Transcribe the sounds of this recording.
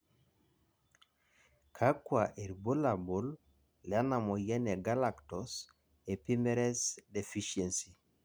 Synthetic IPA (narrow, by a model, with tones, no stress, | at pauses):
kʰa˦kwa˨ʔe˨ɾbo˦la˨bo˨l | lɛ˨a˦na˨mɔ˨jɛ˦ne˨ɡa˦la˨ktɔ˨s | e˨pi˦mɛ˦ɾɛ˦sde˨fi˦ʃe˨nsi˨